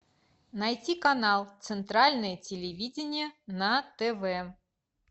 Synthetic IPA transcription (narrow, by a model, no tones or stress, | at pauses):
najtʲikanalˠt̪sɨnt̪ɾalʲnəjətʲɪlʲɪvʲidʲɪnʲɪjənɐt̪ɛvɛ